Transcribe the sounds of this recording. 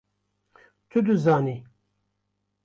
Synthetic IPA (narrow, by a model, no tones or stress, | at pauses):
t̪ʰud̪uzaːni